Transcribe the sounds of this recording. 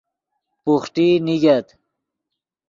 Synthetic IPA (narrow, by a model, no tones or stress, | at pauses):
puxʈiniɡɐt̪